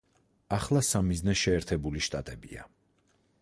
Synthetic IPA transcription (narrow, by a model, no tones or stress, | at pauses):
aχlˠasamiznɛʃɛːɾt̪ʰɛbuliʃt̪ʼat̪ʼɛbia̰